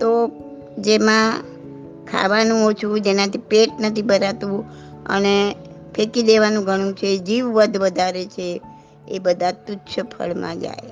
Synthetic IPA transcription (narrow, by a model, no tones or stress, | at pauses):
t̪o | d͡ʒemã | kʰa̰ʋanũot͡ʃʰũd͡ʒenãt̪ʰipeʈ̚nət̪ʰibəɾat̪ũ | ə̰ne | pʰekid̪eʋanũɡʱəɽ̃ũt͡ʃʰed͡ʒiʋːəd̪ʱʋəd̪ʱaɾet͡ʃʰe | ebəd̪ʱat̪utːʃʰəpʰə̰ɭmã̰d͡ʒa̰j